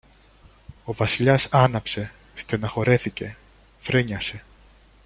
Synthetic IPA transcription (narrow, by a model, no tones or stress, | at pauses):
o̞vɐsiʎɐsɐnɐpse̞ | st̪enɐxo̞ɾe̞θice̞ | fɾeɲɐse̞